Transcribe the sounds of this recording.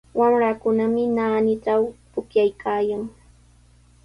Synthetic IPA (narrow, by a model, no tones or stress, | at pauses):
wamɾakʊnamɪnaːnɪʈ͡ʂawpʊkjajkʰaːjaŋ